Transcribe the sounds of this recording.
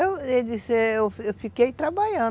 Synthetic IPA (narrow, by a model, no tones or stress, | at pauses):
ewed͡ʒiseewewfikejt̪ɾabaʎɐ̃